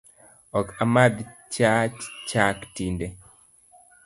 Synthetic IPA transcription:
ɔkamad̪t͡ʃat͡ʃt͡ʃaktindɛ

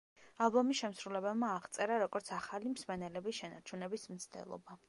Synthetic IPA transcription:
alˠbɔmisʃɛmsɾulɛbɛlˠmaːʁt̪sʼɛɾaɾɔɡɔɾt̪sʰaχalimsmɛnɛlɛbisʃɛnaɾt͡ʃʰunɛbismt̪sʰd̪ʰɛ̰lˠɔ̰ba

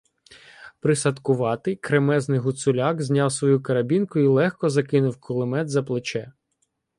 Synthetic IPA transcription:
pɾɪsɐt̪kʊʋɑt̪ɪkɾemɛznɪjɦʊt̪sʊlʲɑkzʲnʲɑwsʋɔjukɐɾɐbʲinkʊilˠɛxkɔzɐkɪnʊwkʰɔlˠɪmɛd̪zɐplˠɪt͡ʃɛ

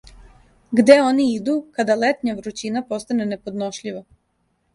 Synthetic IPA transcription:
ɡd̪eo̞niid̪ukad̪alet̪ɲaʋɾut͡ɕinapo̞st̪ane̞ne̞po̞d̪no̞ʃʎiʋa

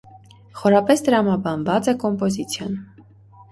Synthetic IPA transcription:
χɔɾɑpɛst̪əɾɑmɑbɑnvɑt͡sɛkɔmpɔzit͡sʰjɔn

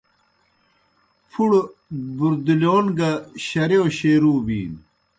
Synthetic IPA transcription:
pʰuɽbuɾd̪iloːnɡɐɕɐɾjoːɕeːɾuːbḭːn

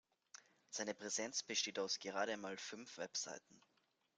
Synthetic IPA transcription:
z̥aɪnəpʁ̥ɛzɛnt͡sb̥əʃteːtaʊsɡ̥əʁaːɾəanmaːlfʏnfv̥ɛpz̥a̰ɪtn̩

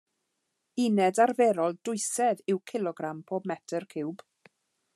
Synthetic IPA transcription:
ɪnɛdarvɛɾɔlˠdʊɨsɛðɪwkʰɪlˠɔɡɾampʰoːbmɛtʰərkʰɪwb̥

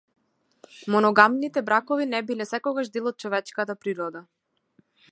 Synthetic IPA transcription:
mɔnɔɡamnit̪ɛbɾakɔvinɛbilɛsɛkɔɡaʒd̪ɛlˠɔt̪̚t͡ʃɔvɛt͡ʃkat̪apɾiɾɔd̪a

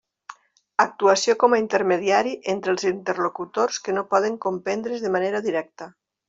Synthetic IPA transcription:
ak̚t̪uasjokɔmaint̪eɾmeðiaɾiʔent̪ɾelˠzint̪eɾlokut̪orskenopɔð̞eŋkompend̪ɾezðemaneɾaðiɾɛk̚t̪ə

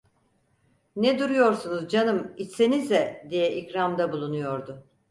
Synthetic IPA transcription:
nɛd̪uɾujo̞ɾsunuzd͡ʒanɯmit͡ʃse̞nizd̪ɛd̪ijɛʔikɾamd̪abulˠunujo̞ɾd̪ʊ

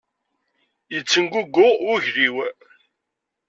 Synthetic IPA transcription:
jət͡sːənɡʷuɡʊʊʝɾiw

